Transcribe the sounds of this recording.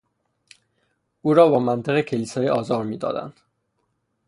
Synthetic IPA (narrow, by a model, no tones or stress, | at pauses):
ʔuːɾɒːbɒːmænt̪ʰeɣecʰeliːsɒːjiːʔɒːzɒːɾmiːd̪ɒ̰ːd̪æ̰nd̪̥